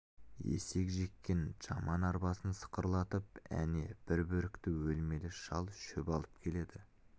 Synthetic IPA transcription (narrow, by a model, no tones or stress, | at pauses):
ḛse̞kʒe̞kʲːe̞nʒɑ̰mɑnɑɾbɑsənsə̥qəɾlˠɑt̪əp̚æ̰ne̞b̥ɪɾbɵɾɪkt̪ɪwɵlme̞lɪʃɑlˠʃʏpɑlˠəp̚kʲʰe̞le̞d̪ɪ